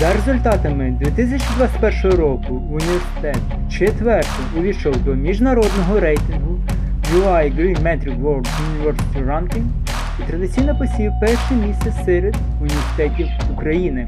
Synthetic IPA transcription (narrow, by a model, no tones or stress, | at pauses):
zɐɾezʊlʲt̪ɑt̪ɐmɪd̪ʲʋʲit̪ɪs̬ʲɐt͡ʃid̪ʋɑt͡ssʲɪ̥tʲpɛrʃɔɦɔɾɔkʊːnʲiʋʲersɪ̥t̪ɛt̪ | t͡ʃet̪ʋɛrt̪ɪjʊʋʲiʃɔwd̪ɔmʲiʒnɐɾɔd̪nɔɦɔɾɛjt̪ɪnɦʊ | d͡ʒuɑjɡɾʲumɛt̪ɾʲiɡʋɔɡʊnʲiʋɛrsɪ̥t̪ʲiɾɑnt̪ʲɪŋ | it̪ɾɐd̪ɪt͡sʲijnɐpɔsʲiwpɛrʃɛmʲisʲt̪ɛsɛɾed̪ | ʊnʲiʋʲersɪ̥t̪ɛtʲiwukɾɐjinɪ